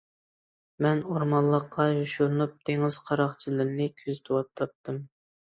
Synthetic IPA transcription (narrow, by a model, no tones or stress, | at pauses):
mɛnoɾmɑnlˠːəqʰːɑjuʃuɾnup̚t̪ʰeŋɪz̥qʰɑɾɑχt͡ʃʰilˠɨɾnɪkʲʰyzyt̪ʰwɑt̪ʰːɑt̪ːɨm